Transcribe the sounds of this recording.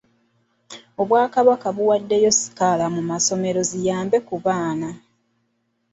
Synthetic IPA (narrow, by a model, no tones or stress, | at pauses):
o̞βwaːkaβakaβuwadːe̞jo̞si̥kalamumaso̞me̞ɾo̞zijaːmbe̞kuβaːna